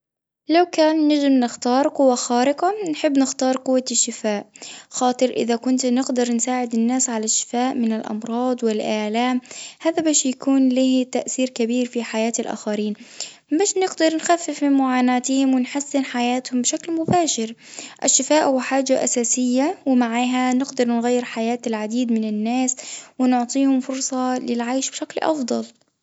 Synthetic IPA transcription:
lawkaːnːad͡ʒɪmnɪxt̪ɑːɾˤqʊwːaxaːɾɪqanħɪbːnɪxt̪ɑːɾˤqʊwːaʃːɪfaːʔxɑːt̪ˤɨɾʔɪ̰ðakʊnt̪nɪɡd̪ɑɾˤnsaːʕɪd̪ɪnːaːsʕalaʃːɪ̥faːʔmɪnɪlʔɑ̰mɾˤɑːd̪ˤwɪlʔaːlaːmhaːðabaːʃjakuːnliːt̪aʔθiːɾkabiːɾfiħajaːt̪alʔa̰ːxaɾiːn | baːʃnɪɡd̪ɑɾˤnxafːɪfmɪnmʊʕaːnaːt̪hɪmwɪnħasːɪnħajaːt̪hʊmbʃaklmʊbaːʃɪɾʔɪʃːɪfaːʔhʊwħaːd͡ʒaʔa̰saːsɪjːawɪmaʕaːɦanɪɡd̪ɑɾˤnɣajːɪɾħajaːt̪ɪlʕad̪iːd̪mɪnɪnːaːswɪnʊʕt̪ˤiːhʊmfʊɾsˤɑlɪlʕajʃbʃaklʔɑ̰fd̪ˤɑl

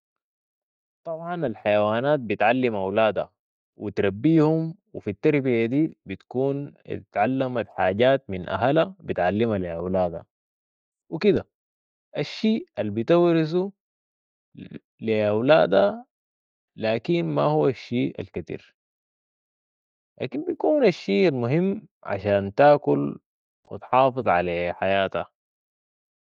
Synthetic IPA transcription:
t̪ˤɑbʕɑnalħajawaːnaːt̪̚bit̪ʕalːimʔawlaːd̪a̰ | wit̪ɾabːiːhumwifit̪ːɑɾˤbijad̪iːbit̪kuːn̰t̪ʕalːamat̪ħaːɟaːt̪̚minʔa̰ɦalabit̪ʕalːimaliʔa̰wlaːd̪a̰ | wikid̪a | ʔaʃːiːalbit̪awɾisu | liʔawlaːd̪a | laːkinma̰huwːaʃːiːa̰lkat̪ḭːɾ | la̰ːkinbijkuːnaʃːiːalmuɦimːʕa̰ʃaːnt̪aːkul | wḭt̪ħɑːfɨðˤʕaleːħajaːt̪a

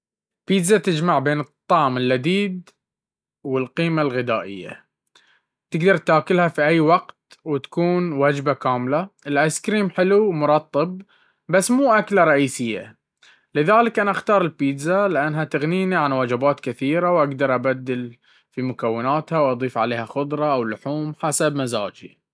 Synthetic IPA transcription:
piːd̪zat̪ɪd͡ʒmaʕbeːnɨt̪ˤːɑʕmɪlːad̪iːd̪ | wɪlqiːmalɣɪd̪aːʔɪ̰jːa̰ | t̪ɪɡd̪ɑɾˤt̪aːkɪlhafiʔajːwɑqt̪wɪt̪ḁkuːnwad͡ʒbakaːmlaʔɪlʔaskɾiːmħɪlumʊɾˤɑt̪ˤːɨb̚ | basːmuːʔaklaɾˤɑʔiːsɪjːa̰ | lɪðaːlɪkʔanaʔaxt̪ɑːɾˤɪlpiːd̪zalɪʔanːɦat̪ɪɣniːniʕanwad͡ʒɪbaːt̪kɪθiːɾawʔaɡd̪ɑɾˤʔabad̪ːɪl | fimʊkawːɪnaːt̪hawʔɑd̪ˤiːfʕa̰leːhaxʊd̪ˤɾˤɑʔawlʊħuːmħasabmaza̰ːd͡ʒḭ

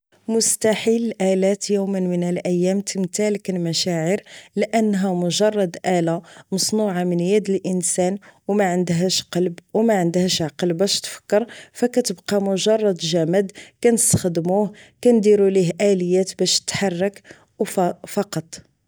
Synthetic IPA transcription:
mʊst̪aħilʔælæt̪jumənmənəlʔəjːæmt̪əmt̪ælkænmæʃæʕəɾləʔənːɦæmʊʒɑrˤːɑd̪ʔælamɑsˤnuʕamənjæd̪əlʔənsænwmæʕənd̪ɦæʃqɑlbwmæʕənd̪hæʃʕɑqəlbæʃt̪fə̥kːəɾfækæt̪əbqɑmʊʒɑrˤːɑd̪ʒæməd̪kænəst̪ḁxd̪muhkænd̪iɾuliɦʔæləjːæt̪bæʃt̪ːħɑrˤːɑk | wfɑqɑt̪ˤ

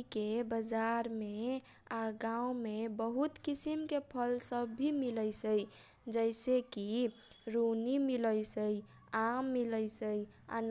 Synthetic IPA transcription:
kebəd͡ʒaɾme | aɡãũmebəɦut̪kisimkepʰəlsəbːʱimiləjsəj | d͡ʒəɪsekiɾunimiləjsəj | amːiləjsəj | a̰n

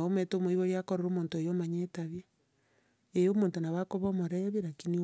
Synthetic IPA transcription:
ometomoiβoɾjakoɾeɾomoːntoejomaɲetaβe | ejomoːntonaβakoβomoɾeβiɾakini

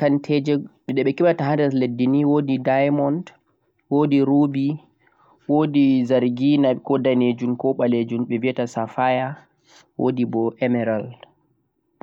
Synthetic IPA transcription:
kantʰɛd͡ʒɛɓɛɗɛɓɛkiɓataɦadɛledːiniwoːdidajmɔnd | wodiɾubi | woːdizaɾɡinakɔdaned͡ʒumkɔɓaled͡ʒumɓɛviɛtasafaja | wo̰dibɔʔɛmɛɾal

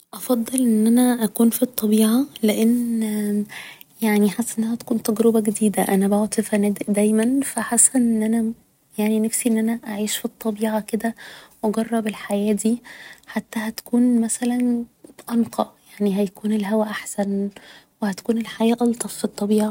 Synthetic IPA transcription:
ʔɑfɑd̪ˤːelʔenːʔænæʔækuːnfit̪ˤːɑbiːʕɑleʔen | jaʕniħasːæʔenːæhæt̪ækuːnt̪æɡɾebæɡed̪iːd̪æʔænæboʕt̪ˤifænæd̪d̪æjmænfæħasænʔenːʔænæ | jaʕninæfsiʔenːʔænæʔaʕiːʃfit̪ˤːɑbiːʕaked̪æwʔɑɡɑrˤːɑbelħajæːd̪iːħat̪ːæhæt̪æ̥kuːnmæsælænʔɑnqʰɑʔjaʕniɦæjækuːnelɦæwæʔaħsænwehæt̪kuːnelħajæːʔɑlt̪ˤɑfːit̪ˤːɑbiːʕa

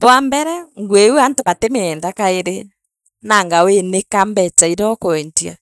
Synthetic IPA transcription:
pwambɛɾɛŋɡwewuantoβatemeːndakaeɾe | naŋɡawenekambɛt͡ʃaiɾɔkɔɛntia̰

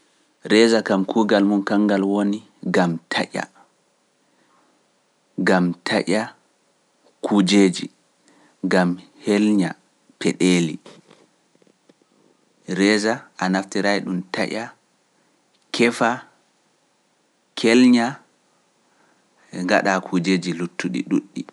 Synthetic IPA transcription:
ɾɛzakamkʰuːɡalmunkaŋɡalwoni | ɡamtʰaʔʲa̰ | ɡamtʰaʔʲa | kʰud͡ʒeːd͡ʒi | ɡamhelɲa | pɛɗeːlḭ | ɾɛzaʔanaftiɾajɗumta̰ʔʲa | kʰɛfa | kʰɛlɲa | ŋɡa̰ɗakʰud͡ʒeːd͡ʒilutʰːuɗḭɗuɗːi

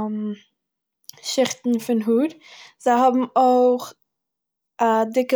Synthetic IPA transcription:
m | ʃɪχtn̩fɪnɦuːɾ | z̥aɪɦɔbm̩oɪχ | adɪkə

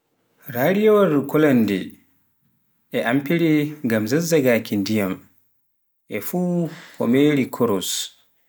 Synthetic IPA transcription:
ɾaːɾijɔwaɾkɔlandɛ | ʔɛʔampiɾiŋɡamzazːaɡaːkindijam | ʔɛfuːkʰɔ̰meɾikʰɔɾɔs

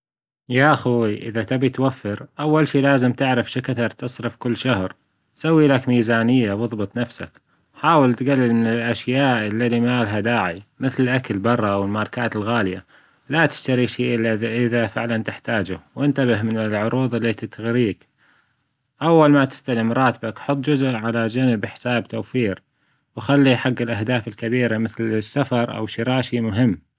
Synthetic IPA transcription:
jaːʔʔaxuːiʔɪ̰ðat̪abit̪wafːɪɾʔawːalʃiːlaːzɪmt̪ɪʕɾɪfʃɪkat̪ɑɾˤt̪ɨsˤɾɨfkɪlːʃahɾ | sawːiːlakmiːzaːnɪjːawɨðˤbɨt̪ˤnafsa̰k | ħaːwɪlt̪ɡalːɪlmɪnɪlʔaʃjaːʔɪlːalimaːlɦad̪aːʕimɪθlɪlʔakalbɑrˤːɑwɪlmɑɾˤɑkaːt̪ɪlɣaːlja̰ | lat̪ɪ̥ʃt̪aɾiʃiːʔaʔɪðafɪʕlant̪ɪħt̪aːd͡ʒʊwʔɪnt̪abɪhmɪnɪlʕʊɾuːðˤɪlːit̪t̪ɣɾiːk | ʔawːalmat̪ɪ̥st̪alɪmɾˤɑːt̪bakħʊt̪ˤːd͡ʒʊzʔʕalad͡ʒanɪbħɪ̥saːbt̪awfiːɾ | wxalːiħaɡːɪlʔahd̪aːfɪlkabiːɾamɪθlɪsːafɑɾˤʔa̰wʃiɾaːʃimʊɦɪmː

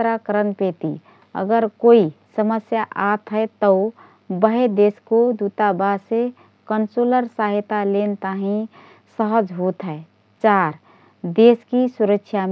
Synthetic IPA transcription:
ɾakəɾənpet̪ḭ | ə̰ɡəɾkoisəməsjaʔat̪ʰɦɛt̪ə | bəɦed̪eskod̪ut̪abase | kənsoləɾsaɦɪt̪alent̪aɦĩ | səɦəd͡ʒɦot̪ɦɛe | t͡ʃaːɾ | d̪eːskisuɾəkʃʰjam

